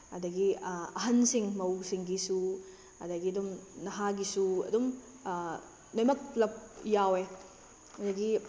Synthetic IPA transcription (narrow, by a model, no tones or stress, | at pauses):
hɐdɐɡiɐɦɐnsiŋmɐwsiŋɡisu | ɐdɐɡiɐdumnɐɦaɡisuɐ̰dum | nɐjmɐk̚lɐp̚jawe | ɐdɐɡi